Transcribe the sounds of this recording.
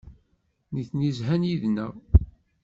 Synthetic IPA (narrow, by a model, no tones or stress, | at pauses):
niθnizɦænjiðnæ